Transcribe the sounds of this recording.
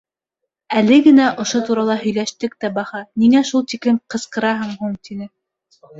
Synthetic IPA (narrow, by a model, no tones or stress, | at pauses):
ælɘɡɘ̆næʔŏʃot̪uɾɑlˠɑɦɵ̆jlæʃt̪ɘk̚t̪æbɑhɑniŋæʃulˠt̪iklɘmqɤ̆sqɤ̆ɾɑɦɤɴhuɴt̪inɘ